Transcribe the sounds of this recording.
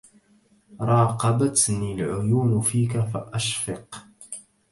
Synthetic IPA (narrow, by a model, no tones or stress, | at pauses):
ɾˤɑːqɑbat̪nilʕʊjuːnfiːk̬afa̰ʔaʃfəq